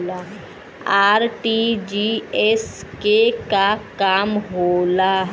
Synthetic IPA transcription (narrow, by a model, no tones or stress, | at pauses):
la | aːɾʈid͡ʒiɛskekakaːmɦoːlaɦ